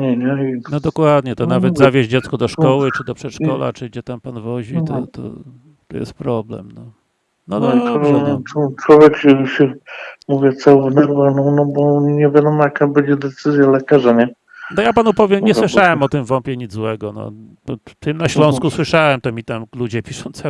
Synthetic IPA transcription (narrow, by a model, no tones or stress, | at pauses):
ɲɛɲɛinɔd̪ɔkwad̪ɲɛt̪ɔnavɛd̪zavʲjeʑd͡ʑɛt̪skɔd̪ɔʂkɔwɘt͡ʂɘd̪ɔpʂɛtʂkɔla̰t͡ʂɨd͡ʑɛt̪ampanvɔʑiɔ̰t̪ɔ̰ | t̪ɔ̰jɛ̰st̪̚pɾɔblɛ̰mnɔ | nɔd̪ɔ | ɔt͡ʂwɔvʲjɛkuɕɛmuvʲjɛt̪sãvnɛɾvanɔnɔbɔɲɛvʲjad̪ɔmɔjakabɛd͡ʑɛd̪ɛt̪sɘzʲjalɛkaʐaɲɛ | nɔjapanupɔvʲjɛmɲɛswɘʂawɛmɔt̪ɘmvɔmpʲjɛɲid̪zwɛɡɔnɔ̰̥ | ɔt̪ɘmnaɕlɔ̃w̃skuswɘʂawɛmt̪ɔmʲit̪amlud͡ʑɛpʲiʂɔw̃ñt̪sɛ